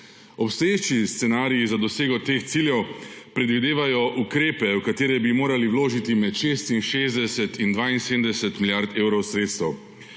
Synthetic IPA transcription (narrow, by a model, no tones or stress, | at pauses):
ɔpst̪ɔjeːt͡ʃist̪sɛnaːɾijizad̪ɔseːɡɔt̪eːxt̪siljɛwpɾɛd̪ʋid̪eːʋajɔʔukɾeːpɛwkat̪eːɾɛbimoːɾaliwloːʒit̪imɛt̪ʃeːst̪inʃeːzd̪ɛsɛt̪ind̪ʋaːinseːd̪md̪ɛsɛt̪milʲjaɾt̪eːwɾɔwsɾeːt̪st̪ɛw